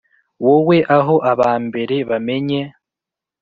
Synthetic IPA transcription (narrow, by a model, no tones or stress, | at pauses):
wowe̞ʔaɦo̞ʔaβaːmbe̞ɾe̞βame̞ɲe